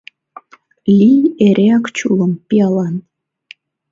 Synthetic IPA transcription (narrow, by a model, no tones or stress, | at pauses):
lʲijeɾʲʔeɑkt͡ɕulˠɤ̆mpʲiɑlˠɑn